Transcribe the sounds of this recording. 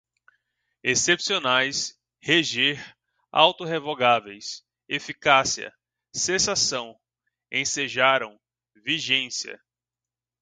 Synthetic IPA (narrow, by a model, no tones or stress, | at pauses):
esepsionajs | heʒeɾ | a̰wt̪oɦevoɡavejs | efikasiɐ̰ | sẽsasɐ̃w̃ | ḛ̃seʒaɾɐ̃w̃ | viʒẽsiɐ̰